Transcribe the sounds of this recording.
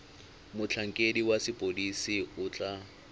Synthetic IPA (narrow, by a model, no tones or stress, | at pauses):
mʊt͡ɬʰaŋ̩kʼediwasɪpʼodisiʊt͡ɬʼa